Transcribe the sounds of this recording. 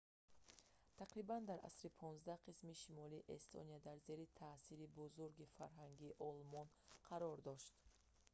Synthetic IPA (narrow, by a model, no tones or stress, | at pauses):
t̪ʰaqɾiband̪aɾʔa̰sɾipʰɔnzd̪ahqʰismiʃimɔliːʔest̪ʰɔ̰niad̪aɾze̞ɾit̪ʰasiɾibuzuɾɡifaɾɦaŋɡiːʔɔlmɔn | qʰaɾɔɾd̪ɔʃt̪